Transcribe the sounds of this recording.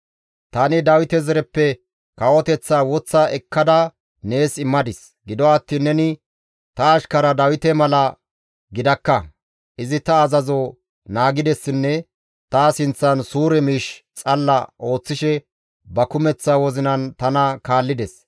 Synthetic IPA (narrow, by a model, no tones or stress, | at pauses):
t̪ɐnɪd̪ɐwɪt̪ɛzɛɾɛpːɛ | kɐwɔt̪ɛt͡sːawɔt͡sːaɛkːɐd̪ɐ | ne̞ːsɪmːɐd̪ɪs | ɡɪd̪ɔɐt̪ːiːnːɛnɪ | t̪ɐːʃkɐɾɐd̪ɐwɪt̪ɛmɐlɐ | ɡɪd̪ɐkːɐ | ʔɪzɪt̪ɐːzɐzo | naːɡɪd̪ɛsːɪnːɛ | t̪aːsɪnt͡sːɐnsuːɾɛmiːʃt͡sʼɐlːɐʔo̞ːt͡sːɪʃɛ | bɐkʊmɛt͡sːɐwɔzɪnɐnt̪ɐnɐkaːlːɪd̪ɛs